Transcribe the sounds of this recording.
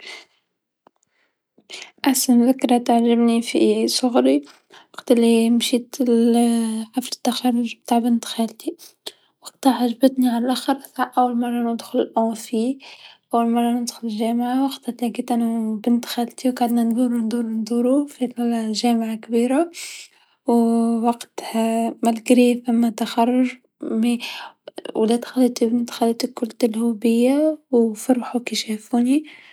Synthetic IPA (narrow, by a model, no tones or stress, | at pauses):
ʔaħsanðɪkɾɑt̪aʕʒɪbnifisʊɣɾi | wɑqt̪ɪlːimʃiːt̪ | ħaflɪ̥t̪ːaxɑrˤːʊʒb̚t̪aːʕbɪnt̪xælt̪i | wɑqt̪aħaʒbɪt̪niʕalalʔaxɑɾʔasaʔawːalmɑrˤːɑnʊd̪xʊlɪlʔõfiʔæwːalmɑrˤːɑnəd̪xʊlɪʒɛːmʕawɑqt̪at̪laɡiːt̪ʔænubɪnt̪xalt̪iwɡaʕd̪nænd̪ˤuːɾund̪ˤuːɾnd̪ˤuːɾufid̪lʒæːmʕakbiːɾa | wwɑqt̪hmælkɾifæmːæt̪axɑrˤːʊʒ | mi | wlet̪xalːit̪ibnt̪xalit̪ikʊlt̪ɪlhubɪjːawfɑɾˤħukiʃæfuːni